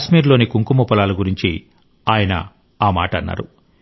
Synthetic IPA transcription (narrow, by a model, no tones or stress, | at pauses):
ʃmiːɾlo̞ːnikuŋkumɐpɐlaːluɡuɾiɲt͡ʃi | aːjɐnɐ̰ | aːmaːʈɐnːa̰ːɾu